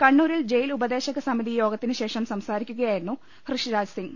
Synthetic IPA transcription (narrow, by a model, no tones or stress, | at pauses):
kɐɳːuːɾild͡ʑe̞jilubɐd̪e̞ːɕɐɣɐsɐmiðijo̞ːɡɐt̪ːinɨɕe̞ːʂɐmsɐmsaːɾikʲːuɣɐjaːjiɾunːu | hrɨʂiɾaːd͡ʑsiŋɡ